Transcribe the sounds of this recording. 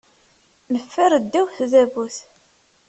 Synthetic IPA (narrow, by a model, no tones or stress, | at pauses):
nəfːəɾˤəd̪ːæwθðævuθ